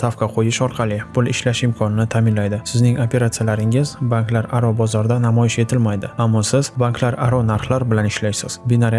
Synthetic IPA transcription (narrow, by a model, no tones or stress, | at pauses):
t̪ʰafqʰɑqʰojɪʃɒɾqʰɑlˠɪpʰʊlˠɪʃlaʃɪmkʰɒnɪnɪt̪ʰamɪnlajd̪ɪsɪznɪŋopʰe̞ɾat̪sijalaɾɪŋɪzbaŋklaɾaɾɒbɒzɒɾd̪anamɒjɪʃe̞t̪ʰɪlmajd̪ɪamːɒsɪzbanklaɾaɾɒnaɾχlˠaɾbɪlanɪʃlajsɪz̥bɪnaɾ